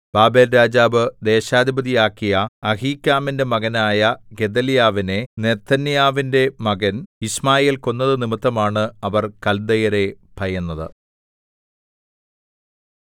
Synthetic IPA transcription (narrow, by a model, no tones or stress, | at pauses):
b̥aːbe̞ːlɾaːd͡ʑaːbɨd̪e̞ːɕaːd̪ʱibɐðijaːkːijɐɐɦiːkːaːminde̞mɐɣɐnaːjɐɡe̞d̪ɐlijaːʋine̞ne̞t̪ʰːɐnijaːʋinde̞mɐɣɐnismaːjeːlko̞nːɐðɨnimit̪ːɐmaːɳɨɐʋɐrkɐld̪ɐjɐɾe̞pʰɐjɐnːɐðɨ̰